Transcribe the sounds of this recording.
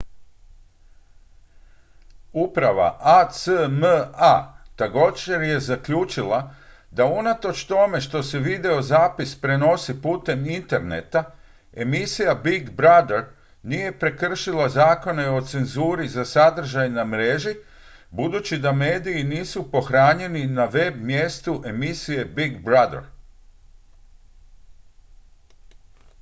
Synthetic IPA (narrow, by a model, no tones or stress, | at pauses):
upɾaʋa̰ʔasəməat̪aɡod͡ʒeɾje̞zakʎuːt͡ʃilˠa | d̪aunat̪o̞t͡ʃt̪o̞me̞ʃt̪o̞se̞ʋid̪eo̞zaːpispɾe̞no̞sipuːt̪e̞mint̪e̞ɾne̞̰t̪a | e̞misijabiɡbɾad̪eɾ | nije̞pɾe̞kr̩ʃilazaːko̞ne̞o̞t̪se̞nzuːɾizasad̪r̩ʒajnamɾeʒi | bud̪uːt͡ɕid̪ame̞ːd̪iːniːsupo̞xɾaːɲe̞ninaʋe̞bmje̞st̪uʔe̞misije̞biɡbɾad̪ḛɾ